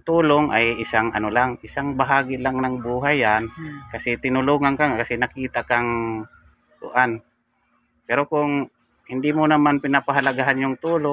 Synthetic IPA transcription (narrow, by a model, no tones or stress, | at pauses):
t̪uːloŋʔajɪsaŋɐ̰nolaŋɪsaŋbaɦaːɡɪlaŋnaŋbuɦajankasɛt̪ɪnʊluŋankaŋkasɛnakiːt̪akaŋ | d̪ʊ̰ʔan | pɛɾokʊŋ | hɪnd̪imonamanpɪnapaɦalaɡaɦanjʊŋt̪uːlo